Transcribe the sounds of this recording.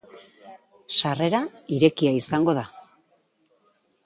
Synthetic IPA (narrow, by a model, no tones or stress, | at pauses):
ʃare̞ɾaiɾe̞kiaisaŋɡo̞ða